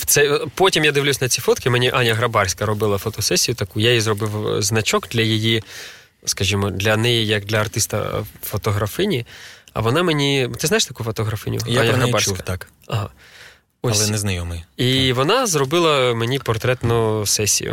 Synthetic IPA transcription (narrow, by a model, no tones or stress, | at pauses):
t̪sɛpɔtʲimjad̪ɪʋlʲusʲnɐt͡sʲifɔt̪kʲɪmɛnʲiʔanʲjɐɦɾɐbɑrsʲkɐɾɔbɪlˠɐfɔt̪ɔsɛsʲijʊt̪ɐkujajizrɔbɪwznɐt͡ʃɔɡd̪lʲɐjiji | skɐʒʲimɔd̪lʲɐnɛjijɐkd̪lʲɐɐrt̪ɪst̪ɐ̰fɔt̪ɔɦɾɐfɪnʲiɐ̰ʋɔnɑmenʲit̪ɪznajɪʃt̪ɐkufɔt̪ɔɦɾɐfɪnʲʊjanʲɐɦɾɐbarsʲkɐt̪ak | ɐɦɑ̰ | ɔslɛnɛznɐjɔmɪiʋɔnɑzrɔbɪlˠɐmenʲipɔrt̪ɾɛt̪nʊsɛsʲḭjʊ̰